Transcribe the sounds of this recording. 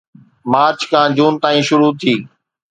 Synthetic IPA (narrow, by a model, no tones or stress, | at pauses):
maːɾt͡ɕkʰãːd͡ʑuːnt̪aːĩːʃʊɾut̪ʰiː